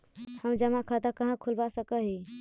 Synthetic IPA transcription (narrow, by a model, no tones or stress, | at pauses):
həmd͡ʒəmakʰət̪akəɦə̃kʰulbasəkəɦi